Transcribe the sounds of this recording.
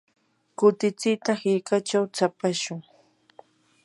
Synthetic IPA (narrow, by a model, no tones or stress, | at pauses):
kʊt̪ɪt͡sɪjt̪ahɪɾkat͡ʃawt͡sapaʃʊŋ